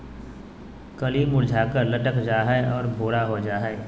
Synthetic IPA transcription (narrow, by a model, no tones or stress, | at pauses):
kɐliːmʊɽd͡ʒʱaːkəɾlɐʈəkd͡ʒaːɦɛeʔɔːɾbʱoːɽaɦod͡ʒaːɦɛe